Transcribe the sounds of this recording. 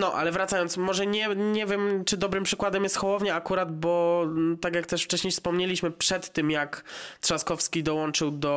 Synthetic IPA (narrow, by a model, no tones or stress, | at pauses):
nɔʔa̰lɛvɾat̪sajɔnt̪mɔʐɛɲɛɲɛvʲjɛmt͡ʂɘd̪ɔbɾɘmpʂɘkwad̪ɛmjɛst̪xɔwɔvɲɛakuɾad̪bɔt̪akjakt̪ɛʂft͡ʂɛɕɲejfspɔmɲelʲiɕmɘpʂɛt̪ːɘmjakt̪ʂaskɔfskʲid̪ɔwɔnt͡ʂɘwd̪ɔ